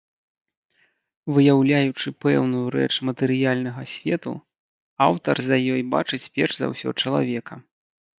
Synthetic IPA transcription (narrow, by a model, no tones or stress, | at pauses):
vɨjawlʲajut͡ʂɨpɛwnujuɾɛ̰t͡ʂmɐt̪ɨɾɨjalʲnɐɣɐsʲvʲɛt̪ṵ | awt̪ɐ̰rzɐjɔjba̰t͡ʂɨt͡sʲpʲɛrʐza̰wsʲɔ̰t͡ʂɐlˠa̰vʲɛkɐ